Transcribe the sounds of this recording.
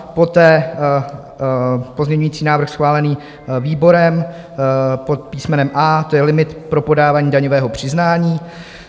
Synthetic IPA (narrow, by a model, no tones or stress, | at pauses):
po̞t̪ɛː | pozmɲɛɲujiːt͡siːnaːvɾ̩xsxvaːlɛniː | viːbo̞ɾɛm | pot̪̚piːsmɛnɛmʔaːt̪ojɛlɪmɪt̪pɾo̞po̞daːvaːɲiːdaɲovɛːɦo̞pr̝̥ɪznaːɲiː